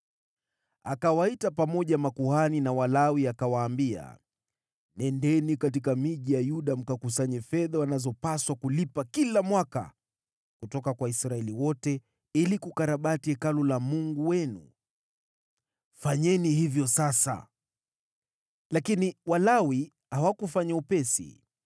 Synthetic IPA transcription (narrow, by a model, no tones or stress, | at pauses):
akawaitapamɔʄamakuhaninawalawiakawaːmbia̰ | nɛndɛnikatikamiʄijajuɗam̩kakus̬aɲɛfɛðawanazɔpaswakulipakilamwaka̰ | kutɔkakwaisɾaɛliwɔtɛ | ilikukaɾaɓatiɛkalɔlamuŋɡuwɛnṵ | faɲɛnihivjɔsasa̰ | lakiniwalawi | hawakufaɲaupɛsḭ